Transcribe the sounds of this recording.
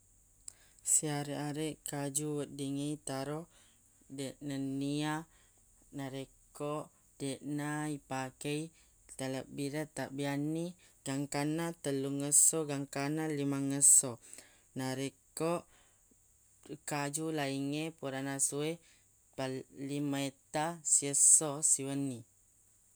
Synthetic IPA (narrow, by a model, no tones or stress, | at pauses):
siaɾeʔaɾeʔkad͡ʒuwət̪̚diŋejt̪aɾo | deʔnənia | naɾekoʔ | deʔnaipakej | t̪aləbiɾət̪aʔbianiɡ̥aŋkanat̪əluŋəsoɡaŋkanalimaŋəso | naɾekoʔ | kad͡ʒulaiŋepuɾanasue | palimaet̪asiəsosiwənːi